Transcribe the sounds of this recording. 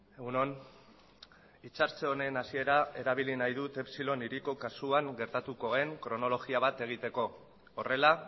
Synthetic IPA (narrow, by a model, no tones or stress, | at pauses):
eɣunon | it͡saɾt͡seo̞ne̞nasie̞ɾae̞ɾaβ̞ilinajðut̪e̞psilo̞niɾiko̞kasuaŋɡe̞ɾt̪at̪uko̞e̞ŋkɾo̞no̞lo̞ɣiaβ̞at̪e̞ɣ̞it̪e̞ko̞ː | re̞la